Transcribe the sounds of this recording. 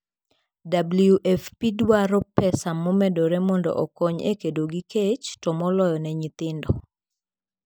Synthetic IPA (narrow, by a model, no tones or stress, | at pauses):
dabljuʔɛfpidwaɾɔpɛsamɔmɛdoɾɛmɔndɔ̰ʔɔkɔɲḛkedoɡiket͡ʃtɔmɔlɔjɔnɛɲit̪ɪndɔ